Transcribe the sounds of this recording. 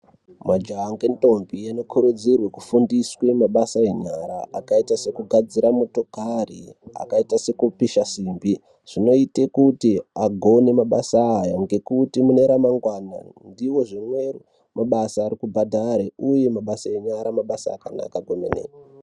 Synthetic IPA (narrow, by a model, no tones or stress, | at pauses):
mad͡ʒaːŋɡento̞mbijanokʰuɾud͡zirwe̞kufundiswemaɓasaeɲaɾaakaitase̞kuɡʱad͡ziɾamoto̞karḭa̰kaitase̞kupiʃasiːmbi | ʐ̥ino̞itekutiaɡʱo̞ne̞maɓasaːjaŋɡe̞kutimune̞ɾamaŋɡwana̰ndiwo̞ʐimwe̞ru | maɓasaːɾikubʱadʱaɾeuje̞maɓasaeɲaɾamaɓasa̰ːkana̰kaɡʱomḛnḛka